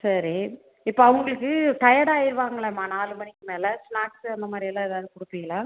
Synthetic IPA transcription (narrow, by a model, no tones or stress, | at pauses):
sɐɾi | ɪpːoːɐʋɐŋɡɐɭɯkːɯʈ̪ɐjaɽaːjɪɾɯʋaːŋɡɐɭɛmaːnaːlɯmɐnɪkːɯmeːlɛsɳaːksɐnd̪ɐmaːdɾɪɐlːãːɛðaːʋðɯkʊɽɯpːiŋɡɐlãː